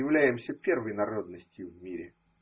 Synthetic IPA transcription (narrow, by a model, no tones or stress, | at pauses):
ɪvlʲæjɪmsʲəpʲe̞rvəjnɐɾo̞d̪nəsʲtʲjʊvʲmʲiɾʲɪ